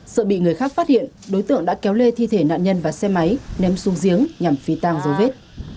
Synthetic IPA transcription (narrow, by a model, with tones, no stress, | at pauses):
sə̰ː˧˨ɓḭ˧˨ŋɨ˨˩əjxaː˦˥k̚faː˦˥t̚hḭ˧˨ənɗo˨˦jt̪ɨ̰˧˨əŋɗa̰ː˧˥kɛ˨˦wle˧t̪ʰi˧t̪ʰe˧˩na̰ː˧˨nɲə˧nvaː˨˩sɛ˧ma˨˦jnɛ˨˧msu˨˦ŋzi˨˦əŋɲa˨˩mfi˨˦t̪aː˧ŋzo˨˦ve˦˥t̚